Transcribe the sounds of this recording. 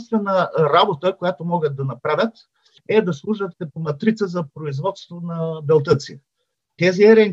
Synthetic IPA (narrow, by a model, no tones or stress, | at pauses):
nst̪vɛnɐɾabot̪əkojat̪omɔɡət̪̚d̪ɐnɐpɾavʲjət̪ | ɛd̪ɐslˠuʒɐt̪ɛpomɐt̪ɾit̪səzɐpɾoizvɔt̪st̪vonɐbɛlˠt̪ət̪sḭ | t̪ɛziɛɾɛŋ